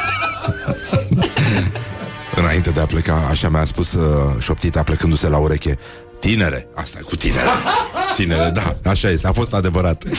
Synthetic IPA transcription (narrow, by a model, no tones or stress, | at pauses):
ɨnaint̪e̞d̪e̞aple̞kaaʃamaspusʃo̞p̚t̪it̪aplekɨnd̪use̞lauɾe̞kʲe̞ | t̪ine̞ɾe̞ast̪akut̪ine̞̰ɾe̞̰t̪ine̞ɾe̞d̪aaʃaje̞st̪eafo̞st̪ad̪e̞vəɾat̪